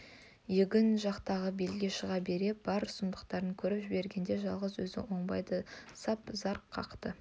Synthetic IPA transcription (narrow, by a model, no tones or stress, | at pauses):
jeɡʲɪnʒɑqt̪ɑʁəbe̞lɡʲe̞ʃəʁɑbe̞ɾe̞b̥ɑɾsʊnd̪əqt̪ɑɾəŋkʲʰɵɾɪpʒɪbe̞ɾɡʲe̞nd̪e̞ʒɑlˠʁəzwɵzɪ̰wo̞ɴbɑjd̪əsɑpzɑɾqʰːɑ̰qt̪ə